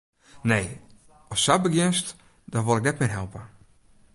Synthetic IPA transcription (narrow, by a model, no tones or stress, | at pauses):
nej | ɔsːabəɡjɪnst | d̥ɔʋolˠɪk̚nɛtmɪrɦɛlˠpə